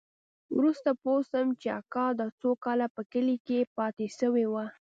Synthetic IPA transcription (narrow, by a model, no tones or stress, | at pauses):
wɾust̪aposəmt͡ʃea̰kɑd̪ət͡sokɑlapəkəlikepɑt̪eʃəwewa